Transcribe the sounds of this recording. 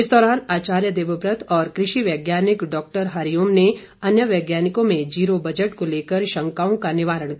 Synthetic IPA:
ɪsd̪ɔːɾaːnaːt͡ʃaːɾjəd̪eːʋəbɾət̪ʰɔːɾkɾɪʃiʋɛːɡjaːnɪkɖɔːk̚ʈəɾɦaɾijoːmne | ɐnjəʋɛːɡjaːnɪkõmẽd͡ʒiːɾobɐd͡ʒəʈkoleːkəɾʃɐ̃ŋkaːõkanɪʋaːɾəɽ̃k

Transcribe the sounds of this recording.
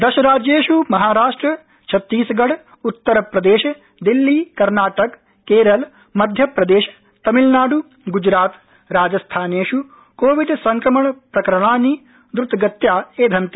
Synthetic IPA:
d̪ɐʃɐɾaːd͡ʒjeːʃumɐɦaːɾaːʂʈɾɐ | t͡ʃʰɐt̪ːiːsɐɡɐɽ | ut̪ːɐɾɐpɾɐd̪eːʃɐ | d̪ilːikɐɾnaːʈɐkː | eːɾɐl | mɐd̪ʱjɐpɾɐd̪eːʃɐ̥ | t̪ɐmilnaːɽu | ɡud͡ʒɾaːt̪ | ɾaːd͡ʒɐst̪ʰaːneːʂu | koːʋiɖsɐŋkɾɐmɐɳɐpɾɐkɐɾɐɳaːni | d̪ɾut̪ɡɐt̪jaːeːd̪ʱɐnt̪i̥

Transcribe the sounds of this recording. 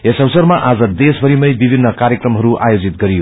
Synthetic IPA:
esʌwʌsʌrmaʔad͡zʌd̪esbʱʌɾimʌjbibʱinːʌkaɾjekrʌmɦʌɾuʔajod͡zit̪ɡʌɾijo

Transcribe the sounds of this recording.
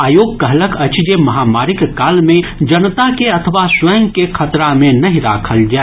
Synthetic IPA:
aːjoːɡ̚kɐɦləkʰɐt͡ʃd͡ʒemɐɦaːmaːɾɪkːaːlmẽd͡ʒɐnt̪akeɐt̪ʰəʋaswəːə̃ŋɡkekʰɐt̪ɾamẽnɐɦĩɾa̰ːkʰəld͡ʒaːe

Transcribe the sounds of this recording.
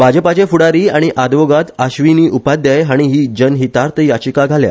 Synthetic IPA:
bʱad͡ʑəpat͡ɕefuɽaɾiːaɽ̃iʔad̪ʋoɡat̪aɕʋiniːʔupad̪jajɦaɽ̃iɦiːd͡ʑənɦiːt̪aɾt̪ʰəjat͡ɕikaɡʱalja̰

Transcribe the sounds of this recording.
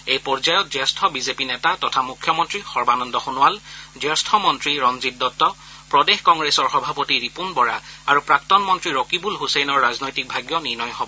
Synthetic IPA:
ejpɔɹzajɔt̚zɛstʰɔbizepinɛtatɔtʰamukʰːjɔmɔntɹixɔɹbanɔndɔxunʊwald͡ʒɛstʰɔmɔntɹiɹɔnzitːɔtːɔ | pɹɔdexkɔŋɡɹesɔɹxɔbʱapotiɹipunbɔɹaaɹupɹak̚tɔnmɔntɹiɹokibulɦusejnɔɹːaznojtik̚bʱaɡjɔniɹnɔjɦɔbɔ

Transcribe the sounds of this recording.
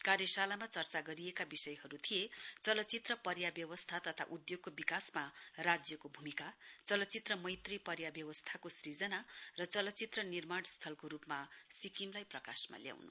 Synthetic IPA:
karjʌsalamat͡sʌrt͡saɡʌɾiekabisʌjɦʌɾut̪ʰijet͡sʌlʌt͡sit̪rʌpʌɾjabjʌwʌst̪ʰat̪ʌt̪ʰa̰ʔud̪joɡ̚kobikasmarad͡zjʌkobʱumikat͡sʌlʌtːt͡sit̪rʌmʌjt̪ripʌɾjabjʌwʌst̪ʰakosrid͡zʌnarʌt͡sʌlʌt͡sit̪rʌnirmaɳst̪ʰʌlkoɾupmasikimlajprʌkasma̰lja̰wnṵ

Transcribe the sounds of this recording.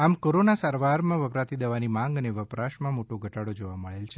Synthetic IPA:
amkoɾonasaɾʋaɾmãʋəpɾat̪id̪əʋanimãŋɡəneʋəpɾaʃmãmoʈoɡʱəʈaɽod͡ʒoʋaməɭelt͡ʃʰe

